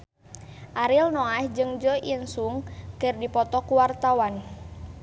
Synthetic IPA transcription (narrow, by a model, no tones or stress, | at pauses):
ʔaɾilnɔahd͡ʒɨŋd͡ʒɔinsuŋkɨrdipɔt̪ɔkuwart̪awan